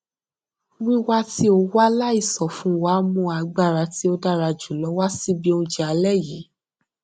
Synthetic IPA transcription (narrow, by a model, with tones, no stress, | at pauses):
wi˦wa˦ti˦o˧wa˦la˦i˦˨sɔ˨fũ˨˦wa˨˦mũ˧a˧ɡ͡ba˦˨ɾa˨˦ti˦o˧da˦˨ɾa˧d͡ʒu˨lɔ˨˦wa˦si˦bi˦õ˧d͡ʒɛ˧a˧lɛ˦˨ji˨˦